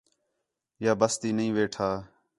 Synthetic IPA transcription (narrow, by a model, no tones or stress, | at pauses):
jaːbəst̪iːnəɦĩːʋeːʈʰaː